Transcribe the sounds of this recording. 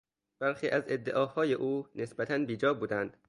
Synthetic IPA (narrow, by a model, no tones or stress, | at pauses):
b̥æɾxiːʔæze̞d̪ːḛʔɒːhɒːje̞ʔuːne̞sbæt̪ʰænbiːd͡ʒɒːbuːd̪ænd̪̥